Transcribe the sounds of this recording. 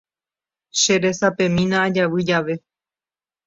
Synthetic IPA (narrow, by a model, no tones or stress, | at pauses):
ʃe̞ɾe̞sapẽ̞mĩnãːd͡ʒaʋɨd͡ʒaʋe̞